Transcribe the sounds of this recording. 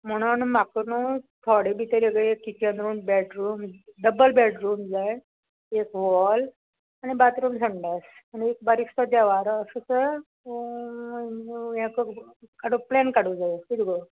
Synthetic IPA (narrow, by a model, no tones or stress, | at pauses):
m̤əɽ̃uanmakunut̪ʰɔɽibit̪əɾeɡəekːikiənɾuːnbɛʈɾumd̪əbəlbɛʈɾuːmd͡zaj | ekʋɔl | anibat̪ɾumd͡zʱəɳɖasanek̚baɾist̪əd̪aʋaɾəsut͡sə | jãkəkaɽuplɛnkaɽud͡zajkit̪ɡo